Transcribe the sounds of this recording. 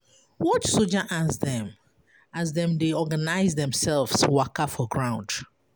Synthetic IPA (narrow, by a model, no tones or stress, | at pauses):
wɔtsod͡ʒaʔasðɛ̃m | azðɛ̃mdeɔɡanaɪzðɛ̃msɛlvswakafɔɡɹãʊ̃nd